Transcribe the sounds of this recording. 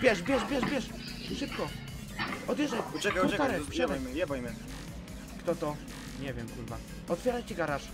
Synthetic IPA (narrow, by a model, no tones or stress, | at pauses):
bʲjɛʂbʲjɛʂbʲjɛʂbʲjɛʂ | ʂɨp̚kɔ | ɔd̪ʲjɛʐɛɛkapɔk̪aɾɛjɛajapɔmɛ | kt̪ɔt̪ɔ | ɲɛvʲjɛmkulva | ɔt̪fʲjɛɾajt͡ɕiɡaɾaɾʂ